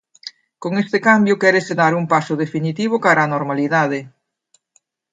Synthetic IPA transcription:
koŋest̪ekambjʊkɛɾeseðaɾuŋpasʊðefinit̪iβ̞ʊkaɾaːnoɾmaliðaðe

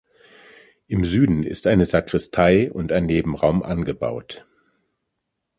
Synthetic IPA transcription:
ʔɪmzyːdn̩ɪ̰stʔaɪnəzakʁ̥ɪstʰaɪʊntaɪnːeːbm̩ʁaʊmʔa̰nɡəba̰ʊt

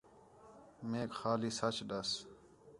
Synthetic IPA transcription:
meːkxaːliːsɐt͡ʃʰɗɐs

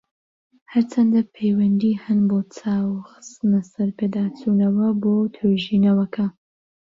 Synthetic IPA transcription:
hɐɾt͡sʰɐnd̪ɐpʰejwɐnd̪iːhɐnboːt͡sʰaːwxɨ̥st̪ɨnɐsɐɾpʰeːd̪aːt͡sunɐwɐbot̪ʰøʒinɐwɐkʰɐ

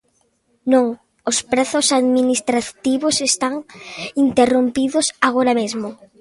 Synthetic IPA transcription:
nõŋ | ospɾeθʊsaðminist̪ɾat̪iβosest̪aŋint̪erompiðʊsaɣoɾamezmo

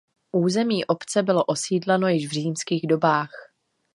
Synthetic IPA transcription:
ʔuːzɛmiːʔo̞pt͡sɛbɪlo̞ʔo̞siːdlɛno̞jɪʃvr̝iːmskiːɣdo̞baːx

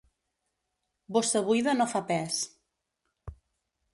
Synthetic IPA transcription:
bɔsəβujðənofapɛs

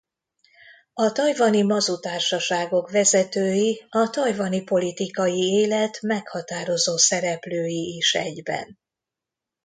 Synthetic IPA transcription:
ɒt̪ɒjvɒnimɒzut̪aːrʃɒʃaːɡo̞kʋɛzɛt̪øːjiɒt̪ɒjvɒnipo̞lit̪ikɒjieːlɛt̪mɛkhɒt̪aːɾo̞zoːsɛɾɛpløːjiiʃɛ̰ɟbɛ̰n

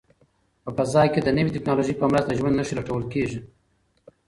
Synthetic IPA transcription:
pəpəzɑjked̪ənəwitɪknɑloʒipəmɾast̪aʒwand̪naʃilaʈawəlkeʒi

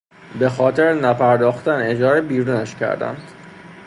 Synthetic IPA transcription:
be̞xɒːt̪ʰe̞ɾenæpʰæɾd̪ɒːxt̪æne̞d͡ʒɒːɾebiːɾuːnæʃcʰæ̰ɾd̪æ̰nd̪̥

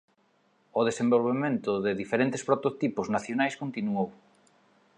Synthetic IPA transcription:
oðesembolβemẽnt̪ʊðɪðifeɾent̪espɾot̪ot̪ipʊznaθjonajskont̪inuow

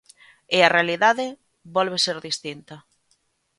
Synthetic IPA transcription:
ɪarealiðaðɪ | βɔlβ̞eseɾðist̪int̪ɐ

